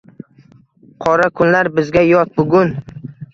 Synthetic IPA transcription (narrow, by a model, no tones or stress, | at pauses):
qʰɒɾakʰʊnlaɾbɪzɡʲajɒt̪̚bʊɡʲʊn